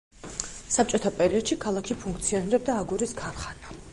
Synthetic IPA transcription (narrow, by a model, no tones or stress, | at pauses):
sap̚t͡ʃʼɔt̪ʰapʼɛɾiɔd̪̥ʃikʰalˠakʰipʰuŋkʰt̪sʰiɔniɾɛb̚d̪aːɡuɾiskʰaɾχana